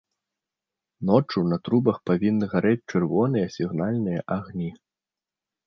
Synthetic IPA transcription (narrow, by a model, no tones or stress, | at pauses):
nɔt͡ʂunɐt̪ɾubɐxpavʲinːɨɣaɾɛt͡sʲt͡ʂɨrvɔn̪ɨjɐsʲiɣnalʲnɨjɐʔaɣnʲi